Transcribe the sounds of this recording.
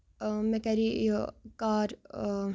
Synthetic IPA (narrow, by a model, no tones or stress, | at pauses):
mɛkaɾikaːɾ